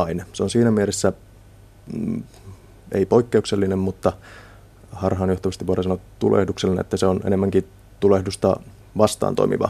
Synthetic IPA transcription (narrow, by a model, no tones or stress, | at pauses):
ɑinseonsiːnæmieɾesːæ | eipo̞ikːeukselːinemmut̪ːɑ | hɑrɦɑːnjoht̪ɑʋɑst̪iʋuoɾesɑnot̪ulʔḛhdukselːinḛʔḛt̪ːæseonḛemːæŋki | t̪ulehdust̪ɑ̰ | ʋɑst̪ˑɑ̰ːnt̪o̰imḭʋɑ̰